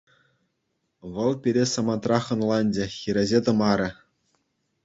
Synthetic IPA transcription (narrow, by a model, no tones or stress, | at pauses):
ʋɤ̆lˠpʲiɾʲesɑmɑnt̪rɑχɤ̆nlˠɑnʲd͡ʑɘ̆xʲiɾʲezʲet̪ɤ̆mɑɾʲɘ̆